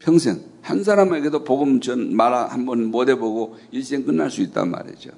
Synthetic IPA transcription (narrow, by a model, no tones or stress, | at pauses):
pʰjʌŋsʰe̞̰ŋ | hans̬ʰaɾameɡedopoɡɯmt͡ɕʌnmaɾahambʌnmodeboɡoiɭs͈eŋkɯnːaɭs͈uit̚t͈a̰nma̰ɾḭd͡ʑo̰